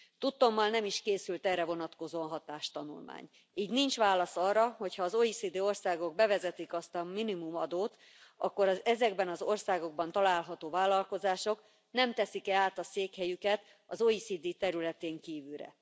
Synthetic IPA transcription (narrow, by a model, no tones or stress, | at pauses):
t̪ut̪ːo̞mːɒlnɛmiʃkeːsylt̪ɛːrɛvo̞nɒt̪ko̞zonɦɒt̪aːʃt̪ɒnṵlma̰ːɲ | iːɟnint͡ʃʋaːlɒsɒrːɒho̞chɒːzoːisid̪iːo̞rsaːɡo̞ɡ̚bɛvɛzɛt̪ikɒst̪ɒminimumɒd̪oːt̪ | ʔɒkːo̞ɾɒzɛzɛɡbɛnɒzo̞rsaːɡo̞ɡ̚bɒn̪t̪ɒlaːlɦɒt̪oːvaːlːɒlko̞zaːʃo̞k | nɛmt̪ɛsikɛaːt̪ɒseːkhɛjykɛt̪ | ɒzoːisid̪iːt̪ɛɾylɛt̪eːŋkiːvylɾɛ̰